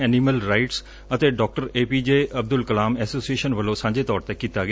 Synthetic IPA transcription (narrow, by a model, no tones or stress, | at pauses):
ɛːniːməlɾaːɪʈs | ət̪eːɖɔːk̚ʈəɾeːpiːd͡ʒeːʔəb̚d̪ʊlkəlaːmɛːsoːsieːʃənʋəlːõːsãːɲd͡ʒeːt̪ɔːɾt̪ekiːt̪aːɡɪ